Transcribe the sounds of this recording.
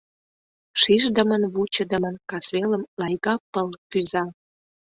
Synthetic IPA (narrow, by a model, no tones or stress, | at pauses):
ʃiʒd̪əmənβut͡ɕə̆d̪ə̆mənkɑsβeləmlɑjɣɑpːəlkyzɑ